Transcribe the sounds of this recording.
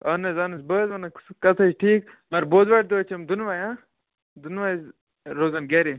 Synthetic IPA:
ɐnɐzɐnɨsbəːzɐnɐkɐt̪ʰɐt͡ʃʈʰiːk | mɐɾboːd̪ʋaʈ̚d̪t͡ʃʰemd̪unʋajãː | d̪unʋaz | ɾoːzɐnɡeɾi

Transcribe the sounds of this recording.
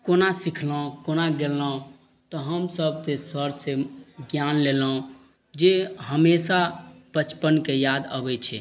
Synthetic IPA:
konasikʰlə̃konaɡelːə̃ | t̪ɔɦəmsəb̚t̪esəɾseɡjanlelõ | d͡ʒeɦəmesapət͡ʃpənkejad̪ə̰bɛt͡ʃʰɛ

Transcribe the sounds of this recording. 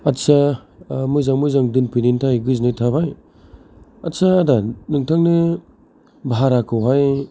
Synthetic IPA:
atsa | mujzaŋmujzaŋdɯnpinintʰajɡɯznɯtʰabaj | ɐtsaːdanɯŋtʰaŋnɯ | bɦaɾakʰɯwɦaj

